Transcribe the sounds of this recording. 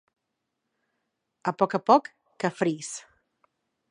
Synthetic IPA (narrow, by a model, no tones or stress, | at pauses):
apɔkapɔkː | afɾis